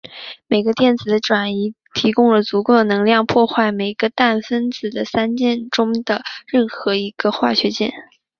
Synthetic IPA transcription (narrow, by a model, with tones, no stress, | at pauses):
me˨˩ɪɡə˧˦t̪jɛ˥˩nt͡sɹ̩˨˩d̪ə˦ʈ͡ʂwa˨˩ni˧˥ | t̪ʰi˧˥kʊ˥ŋlə˩t͡su˧˥ko˥˩ʊd̪ə˩nɤ˧˥ŋljɑ˥˧ŋpʰwɔ˥˧xwa˥˩ɪme˨˩ɪɡ̥ə˦t̪a˥˩nfə˥nt͡sɹ̩˨˩d̪ə˦sa˥nt͡ɕjɛ˥˩nʈ͡ʂʊ˥ŋd̪ə˨ɻə˥˩nxɤ˧˥i˧˥ɡ̥ə˧xwa̰˥˩ɕɥɛ˧˥t͡ɕjɛ̰˥˩n